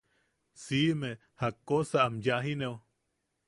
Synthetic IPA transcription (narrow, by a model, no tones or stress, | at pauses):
sime | hakːosaːmjaɦineo